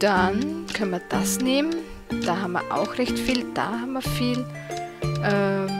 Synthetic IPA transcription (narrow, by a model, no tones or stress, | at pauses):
d̥ankʰanmiɐd̥asneːmən | d̥aːɦaːmɐ̰ʔa̰ʊxʁɛçtfiːld̥a̰ːhaːbm̩ɐɐfiːl | ʔɛː